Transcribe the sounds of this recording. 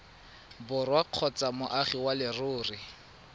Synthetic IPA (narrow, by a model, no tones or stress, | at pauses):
bʊrwaq͡χʰɔt͡samʊʔaχiwalɪrʊːrɪ